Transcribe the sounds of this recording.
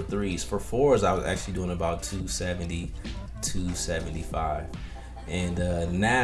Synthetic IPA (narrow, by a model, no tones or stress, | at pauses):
θɹiz̥fə˞fɔɹzaɪwʌzæ̰k̚t͡ʃʉl̩ˠidʉɪ̃ŋəbaʊtʰʉsɛvɨ̃n̩ti | tʰʉsɛṽn̩tifaɪv̥ | ʔɨ̃nʌna